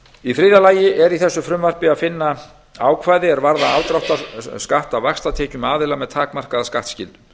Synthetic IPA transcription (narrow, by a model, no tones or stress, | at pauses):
ifɾɪðalaːjɪʔɛɾiθɛsːʏfɾʏmvar̥pɪaðfɪnːa | aːwkʰvaːjðɪɛɾvaɾðaalt̪ɾawht̪askaht̪avaxst̪at̪ʰɛːcʏmaːðɪlamɛðt̪ʰaːkmar̥kaðaskaht̪scɪ̰lt̪ʏ